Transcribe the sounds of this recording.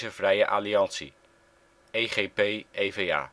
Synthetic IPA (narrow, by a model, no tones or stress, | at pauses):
zəv̥rɛjəʔaːliɑnsḭ | ejχejpejejvea̰ː